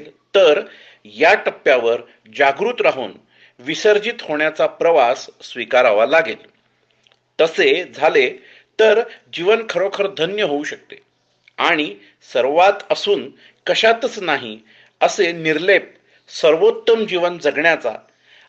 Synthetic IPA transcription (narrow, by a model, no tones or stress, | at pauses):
lt̪əɾ | jaʈəpːjaʋəɾ | d͡ʑaɡɾuːt̪ɾaɦuːn | ʋisəɾd͡ʑit̪ɦoɳjat͡sapɾəʋasːʋikaɾaʋalaɡel | t̪əsed͡zʱale | t̪əɾd͡ʑiʋənkʰəɾokʰəɾd̪ʱənjəɦouɕək̚t̪e | aɽ̃i | səɾʋat̪əsuːn | kəɕat̪ət͡snaɦi | əseniɾlep̚ | səɾʋot̪ːəmd͡ʑiʋənd͡zəɡɳjat͡sa̰